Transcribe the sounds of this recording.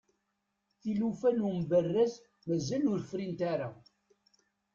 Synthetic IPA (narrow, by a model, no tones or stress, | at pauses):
θilufænumbərːæz | mæzælʊɾfɾint̪aɾa